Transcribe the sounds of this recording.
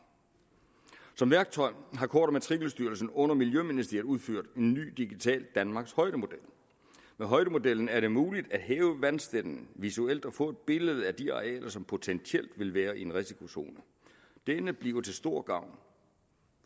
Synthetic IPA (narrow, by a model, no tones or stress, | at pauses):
sɒ̽mʋæɐɡ̥̚t͡sʰɒ̽ɪ̰ɦɑ̈kʰɒ̰ːd̥ɐmet͡sʰʁiɡ̥l̩sd̥yːɐl̩sn̩ɔ̽n̰ɐmiljøminisd̥ḭɐðˠuð̞ˠføɐ̰d̥e̝nːy̰ːd̥iɡ̥it͡sʰɛ̰ːld̥ænmɑ̈ɡ̥shɒ̽ɪd̥əmo̝d̥el̰ | meɦɒ̽ɪdəmo̝del̰n̩æɐɾe̝muːlid̥æd̥ɦɛːʊəʋænsd̥ed̥n̩ʋisuel̰d̥ɒfɔ̰̽ːe̝d̥̚b̥e̝ləð̞̩ˠæd̥iɑ̈ʁiɛ̰ːlʔɐsɒ̽mpʰo̝t͡sʰent͡sʰiel̰d̥ʋe̝lʋæːɐie̝nʁisikʰo̝so̝ːnə | d̥enəb̥liɐʊt͡sʰe̝lsd̥o̝ːɐ̰ɡ̥ɑ̈ʊ̰n